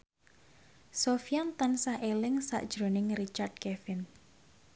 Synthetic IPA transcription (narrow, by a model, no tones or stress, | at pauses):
sofijant̪ansahelɪŋsa̰ʔd̥ʒ̥ɾo̤nɪŋrit͡ʃard̚kefɪn